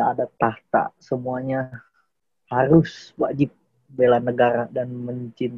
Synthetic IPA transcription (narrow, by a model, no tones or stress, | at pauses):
aadat̪aht̪a̰səmuaɲa | haɾʊswad͡ʒɪp̚ | belanəɡaɾadanməɲt͡ʃɪn